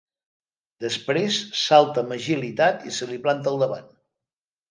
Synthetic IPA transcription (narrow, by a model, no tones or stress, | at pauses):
d̪əspɾesːalˠt̪əməʒilit̪at̪ḭsəliplant̪əlˠd̪əβa̰n